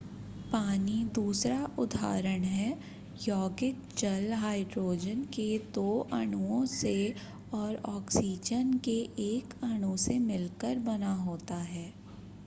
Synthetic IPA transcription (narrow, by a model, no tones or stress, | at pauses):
paːnid̪uːsɾaʔʊd̪ʱa̰ːɾəɽ̃ɦɛː | jɔːɡɪk̚ | d͡ʒɐlɦaːɪɖɾoːd͡ʒənked̪oːʔɐɽ̃uõse | ɔːɾɔːksiːd͡ʒənkeʔeːkɐɽ̃usemɪlkəɾbɐnaɦoːt̪aɦɛː